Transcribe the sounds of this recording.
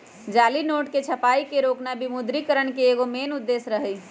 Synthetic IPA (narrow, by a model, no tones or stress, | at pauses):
d͡ʒaːlinoːʈket͡ʃʰəpaːikeɾoːknabimud̪ɾikəɾənkeːɡomeːnud̪ːeːsɾəɦɛj